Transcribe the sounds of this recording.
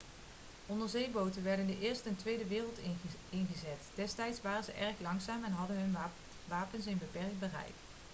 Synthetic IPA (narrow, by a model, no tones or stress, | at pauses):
ʔɔndəɹzejbowtənʋɛɹdəndəʔɪːɹstəntʋejdəʋɪːrəlˠtɪnɣəzɛtd̥ɛstɛjtsʋaːrənzəʔɛrχlɑŋsaːmɛnɦɑdənɦɵn | ʋaːpəns̬ɪnbəpɛɹk̚t̚bərɛ̰jk